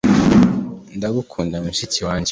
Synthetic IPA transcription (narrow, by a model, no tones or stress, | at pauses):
ndaɡukʰuːndamuʃitiwaːɲd͡ʒe